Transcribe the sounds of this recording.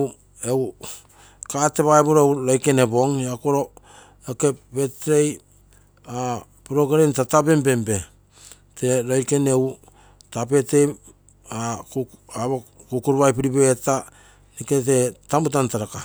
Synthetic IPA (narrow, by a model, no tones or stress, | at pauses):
ew | kateβaeboɾoewɾojke̞ne̞bo̞ŋakoɾo̞ | oke̞pbe̞tɾej | a | piɾo̞ɡeɾentatabe̞mbe̞mbe̞ | te̞ɾojke̞ne̞w | tape̞te | a | aβo | kukuɾβajpiɾibeeta | niket̬e̞tamut̬antaɾaka